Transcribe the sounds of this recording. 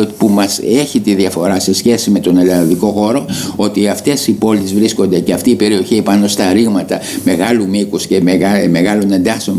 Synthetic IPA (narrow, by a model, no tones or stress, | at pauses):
pumɐse̞çit̪iðiɐfo̞ɾɐse̞sçe̞sime̞t̪o̞ne̞lɐnðiko̞xo̞ɾo̞o̞t̪iɐft̪e̞sipo̞lizvɾisko̞nd̪e̞ceɐft̪iːpe̞ɾio̞çipɐno̞st̪ɐɾiɣmɐt̪ɐ | me̞ɣɐlumikusce̞meme̞ɣɐlo̞ne̞nd̪ɐseo̞n